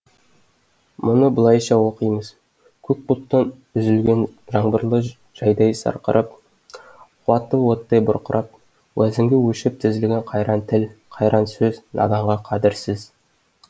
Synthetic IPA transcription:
mʊnəbʊlˠɑjʃɑwoqijməz̥ | kʲʰɵk̚but̪ːɑn | ʏzɪlɡʲenʒɑɴbəɾlˠə | ʒ̥ɑjd̪ɑjsɑ̰ɾqə̰ɾʔəp̚ | qʰwɑt̪ːəwot̪ːɑjbʊ̰ɾqəɾʔɑp̚ | wʔæzɪŋɡʲewɵʃɪp̚t̪ʰɪzɪlɡʲeɴqʰɑjɾɑnt̪ʰɪlqʰɑjɾʔɑnsɵznʔɑ̰d̪ɑɴʁɑqʰɑd̪ɪɾsɪz

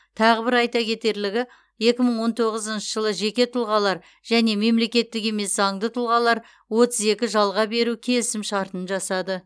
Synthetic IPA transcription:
t̪ʰɑʁəbɪɾɑjt̪ɑkʲʰe̞t̪e̞ɾlɪɡʲɪ | je̞kʲɪməɴwo̞nt̪ʰo̞ʁəzənʃəʒəlˠəʒe̞kʲe̞t̪ʰʊlˠʁɑlˠɑɾ | ʒ̥æne̞me̞mle̞kʲe̞t̪ːɪke̞me̞szɑŋd̪ət̪ʰʊlˠʁɑlˠɑɾ | wo̞t̪əze̞kʲɪʒɑlˠʁɑbe̞ɾukʲʰe̞lɪsɪmʃɑɾt̪ənʒɑsɑd̪ə

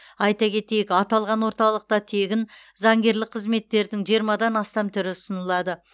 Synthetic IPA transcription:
ɑjt̪ɑkʲʰe̞t̪e̞jɪkɑt̪ɑlˠʁɑnwo̞ɾt̪ɑlˠəq̚t̪ɑt̪ʰe̞ɡʲɪnzɑŋɡʲe̞ɾlɪk̚q̚qʰəzme̞t̪ːe̞ɾd̪ɪŋʒijəɾmɑd̪ɑnɑst̪ɑmt̪ʰʏɾɪsənəlˠɑd̪ə

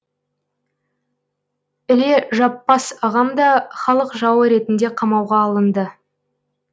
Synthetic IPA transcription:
ɪle̞ʒɑpːɑsɑʁɑmd̪ɑχɑlˠəqʒɑwəɾe̞t̪ɪnd̪e̞qʰɑmɑwʁɑːlˠənd̪ə

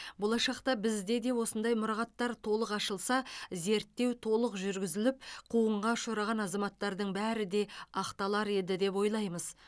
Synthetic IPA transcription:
bo̞lˠɑʃɑqt̪ɑbɪzd̪e̞d̪e̞wo̞sənd̪ɑjmʊɾɑʁɑt̪ːɑɾt̪ʰo̞lˠəqɑʃəlˠsɑze̞ɾt̪ːe̞wt̪ʰo̞lˠəqʒʏɾɡʲɪzɪlɪp̚qʰuəɴʁɑʃoɾɑʁɑnɑzɑmɑt̪ːɑɾd̪əɴbæɾɪd̪e̞ɑqt̪ɑlˠɑɾe̞d̪ɪd̪e̞pwo̞jlˠɑjməz

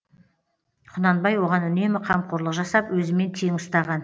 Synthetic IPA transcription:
qʰʊnɑnbɑjwo̞ʁɑnʏne̞mɪqʰɑmqʰʊɾlˠəqʒɑsɑpwɵzɪme̞nt̪ʰe̞ŋʊst̪ɑʁɑn

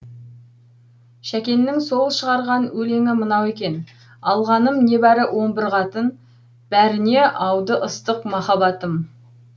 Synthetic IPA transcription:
ʃækʲe̞nːɪŋso̞lˠəʃəʁɑɾʁɑnwɵle̞ŋɪmənɑwe̞kʲe̞n | ɑlˠʁɑnəmne̞bæɾɪwʔo̞ɴbɪɾʁɑt̪ən | b̥æɾɪne̞ʔɑwd̪əʔəst̪əqmɑχɑbɑt̪əm

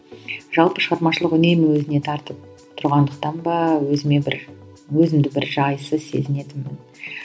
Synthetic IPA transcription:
ʒ̥ɑlˠpəʃəʁɑɾmɑʃəlˠəqʏne̞mwɵzɪne̞t̪ʰɑɾt̪əp̚ | t̪ʰʊɾʁɑnd̪əq̚t̪ɑnbɑwɵzɪme̞ɪɾ | wɵzɪmd̪ɪbɪɾʒɑjsəzse̞̰zɪne̞d̪ɪmmɪn

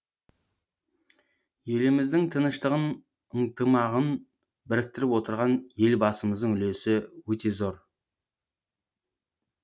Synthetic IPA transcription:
je̞lɪmɪzd̪ɪŋt̪ʰənəʃt̪əʁən | əɴt̪əmɑʁən | bɪɾɪk̚t̪ɪɾɪpwo̞t̪əɾʁɑnje̞lbɑsəməzd̪əŋʏlesɪwɵt̪e̞zo̞ɾ

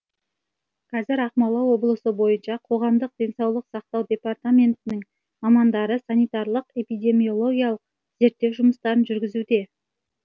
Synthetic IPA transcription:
qʰɑzɪɾɑqmɑlˠɑwo̞blˠəsəbo̞jənʃɑqʰo̞ʁɑmd̪əq̚d̪̥ʲe̞nsɑwlˠəqsɑq̚t̪ɑwd̪ʲe̞part̪amʲe̞nt̪ɪnɪŋ | mɑmɑnd̪ɑɾəsɑnijt̪ɑɾlˠəqe̞pijd̪ʲe̞mio̞lˠo̞ɡʲijɑlˠəq̚ | ze̞ɾt̪ːe̞wʒʊməst̪ɑɾənʒʏɾɡʲɪzud̪e̞

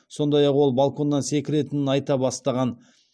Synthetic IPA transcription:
so̞nd̪ɑjɑqwo̞lˠbalˠko̞nd̪ɑnse̞kʲɪɾe̞t̪ɪnɪnɑjt̪ɑbɑst̪ɑʁɑn

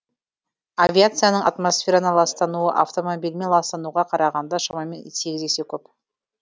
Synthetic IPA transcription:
avʲiat̪sɨjanəɴʔat̪mosfʲe̞ɾanəlˠɑst̪ɑnuəʔaft̪o̞mobʲilme̞nlˠɑst̪ɑnuʁɑqʰɑɾɑʁɑnd̪ɑʃɑmɑjmenseɡʲzese̞kʲʰɵp

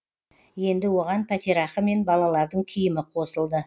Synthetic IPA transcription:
je̞nd̪ɪwo̞ʁɑnpʰæt̪ʲiɾɑχəme̞nbɑlˠɑlˠɑɾd̪əɴkʲʰijɪmɪqʰo̞səlˠd̪ə

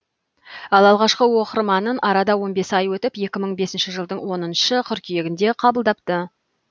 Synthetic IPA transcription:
ɑlˠɑlˠʁɑʃqəwo̞qəɾmɑnənʔɑɾɑd̪ɑwo̞nbe̞sɑjwɵt̪ɪpje̞kʲɪməɴbe̞sɪnʃɪʒəlˠd̪əɴwo̞nənʃəqʲʰʏɾkʲije̞ɡʲɪnd̪e̞qʰɑbəlˠd̪ɑp̚t̪ə

